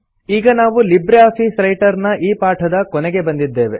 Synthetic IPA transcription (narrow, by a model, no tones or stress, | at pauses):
iːɡɐnaːʋulibɾeaːpʰiːsɾɐjʈɐɾnɐʔiːpaːʈʰɐd̪ɐkɔnɛɡe̞bɐnd̪id̪ːe̞ːʋe̞̰